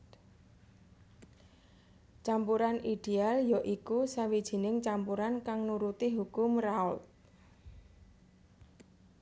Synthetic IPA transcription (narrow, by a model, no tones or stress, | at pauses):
t͡ʃampuɾaniɖ̥ealjɔʔikusawid̥ʒ̥i̤nɪŋt͡ʃampuɾankaŋnuɾut̪iɦukʊmraut̪̚